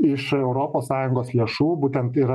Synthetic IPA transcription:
ɪʃɛʊɾoːpoːssɑːjʊŋɡoːslʲeːʃuːbuːt̪ʲɛnt̪iːɾɐ

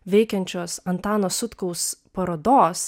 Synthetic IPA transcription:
ʋʲɛɪkʲɛnʲt͡ʃʲoːsɐnt̪ɑːnoːsʊt̪kɔʊspɐɾoːd̪oːs

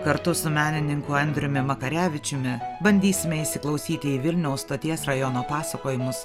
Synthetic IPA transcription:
kɐɾt̪ʊsʊmʲæːnʲɪnʲɪŋkʊɛnʲd̪ʲɾʲʊmʲɪmɐkɐɾʲæːʋʲɪt͡ʃʲʊmʲɪbɐnʲd̪ʲiːsʲɪmʲɛɪsʲɪklˠɒʊsʲiːt̪ʲɪiːʋʲɪlʲnʲɛʊsst̪oːt̪ʲiɛsɾɐjɔnoːpɑːsɐkoːjɪmʊs

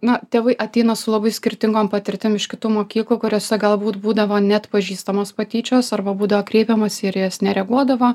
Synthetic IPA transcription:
nɐt̪ʲeːʋɐɪʔɐt̪ʲɛɪnɐsʊlˠɐbɐɪsʲkʲɪɾʲt̪ʲɪŋɡoːmpɐt̪ʲɪɾʲt̪ʲɪmɪʃkʲɪt̪uːmoːkʲiːklˠuːkʊɾʲoːsʲɛɡɐlˠbuːt̪buːd̪ɐʋoːnʲɛt̪pɐʒʲiːst̪ɐmoːspɐt̪ʲiːt͡ʃʲoːsɐrbɐbuːd̪ɐʋoːkɾʲɛɪpʲɛmɐsʲɪɾjɛsnʲɛɾʲɛɡuɔd̪ɐʋoː

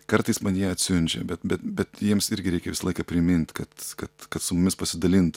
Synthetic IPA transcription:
kɐɾt̪ɐɪsmɐnjɛɐtʲsʲʊnʲt͡ʃʲɛ̰bʲɛt̪bʲɛt̪bʲɛt̪jiɛmsɪɾʲɡʲɪɾʲɛɪkʲɛʋʲɪsɐlˠɐɪkɐpʲɾʲɪmʲɪnʲt̪ʲkɐt̪kɐt̪kɐt̪sʊmʊmʲɪspɐsʲɪd̪ɐlʲɪnt̪

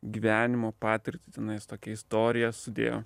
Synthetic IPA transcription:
ɡʲiːʋʲæːnʲɪmoːpɑːt̪ʲɪɾʲt̪ʲɪt̪ʲɛnɐɪst̪oːkʲɛɪst̪oːɾʲɪjɛsʊd̪ʲḛːjo̰ː

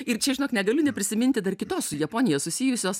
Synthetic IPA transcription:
ɪrt͡ʃʲɛʒʲɪnoːknʲɛɡɐlʲʊnʲɛpʲɾʲɪsʲɪmʲɪnʲt̪ʲɪd̪ɐrkʲɪt̪oːssʊjɛpoːnʲɪjɛsʊsʲijʊsʲoːs

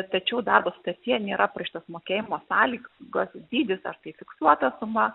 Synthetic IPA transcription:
t̪ɐt͡ʃʲɛʊd̪ɐrbɐsʊt̪ɐrʲt̪ʲiɛnʲeːɾɐpɐʃʲt̪oːsmoːkʲeːjɪmoːsɑːlʲiːɡoːsd̪ʲiːd̪ʲɪsɐ̰rt̪ɐɪfʲɪksuɔt̪ɐsʊmɐ

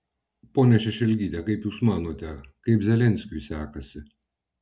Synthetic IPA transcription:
poːnʲɛʃʲɛʃʲɛlʲɡʲiːt̪ʲɛkɐɪpjuːsmɑːnoːt̪ʲɛkɐɪpzʲɛlʲɛnʲsʲkʲʊjsʲæːkɐsʲɪ

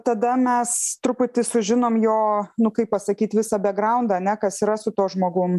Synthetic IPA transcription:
t̪ɐd̪ɐmʲɛst̪ɾʊpʊtʲɪsʊʒʲɪnoːmjoːnʊkɐɪppːɐsɐkʲiːt̪ʋʲɪsɐbʲɛɡɾɐʊnd̪ɐɐnʲɛkɐsiːɾɐsʊt̪oːʒmoːɡʊm

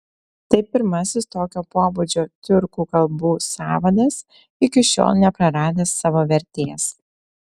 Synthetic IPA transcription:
t̪ɐɪpʲɪɾmɐsʲɪst̪oːkʲoːpoːbʊd͡ʒʲoːt̪ʲʊɾkuːkɐlˠbuːsɑːʋɐd̪ɐs | ɪkʲɪʃʲo̰ːlˠnʲɛpɾɐɾɑːd̪ʲeːsɑːʋoːʋʲɛɾʲt̪ʲeːs

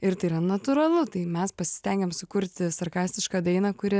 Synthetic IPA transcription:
ɪɾt̪ɐɪɾɐnɐt̪ʊɾɐlˠʊt̪ɐɪmʲɛspɐsʲɪ̥sʲt̪ʲɛŋʲɡʲɛmsʊkʊɾʲt̪ʲɪsɐɾkɑːsʲt̪ʲɪʃkɑːd̪ɐɪnɐkʊɾʲɪ

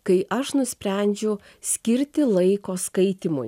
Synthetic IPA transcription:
kɐɪʔɐʃnʊsʲpʲɾʲɛnʲd͡ʒʲʊ | sʲkʲɪɾʲt̪ʲɪlˠɐɪkoːskɐɪt̪ʲimʊ̰j

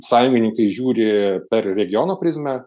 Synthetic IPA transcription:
sɑːjʊŋʲɡʲɪnʲɪŋkɐɪʒʲuːɾʲɪpʲɛɾɾʲɛɡʲɪjoːnoːpʲɾʲɪzʲmʲɛ

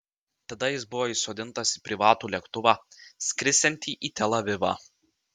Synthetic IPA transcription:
t̪ɐd̪ɐjɪsbʊʋoːisoːd̪ʲɪnt̪ɐsipʲɾʲɪʋɑːt̪uːlʲiɛkt̪ʊʋɑːsʲkʲɾʲɪsʲɛnʲt̪ʲiːʔiːt̪ʲɛlˠɐʋʲɪʋɑ̰ː

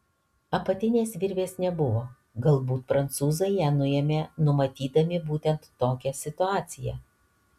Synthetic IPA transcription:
ɐpɐt̪ʲɪnʲeːsʋʲɪɾʲʋʲeːsnʲɛbʊʋoː | ɡɐlˠˑbuːt̪pɾɐnt̪suːzɐɪjæːnʊɛːmʲeːnʊmɐt̪ʲiːd̪ɐmʲɪbuːt̪ʲɛnt̪ːoːkʲɛsʲɪt̪ʊɑːt̪sʲɪjɛ̰

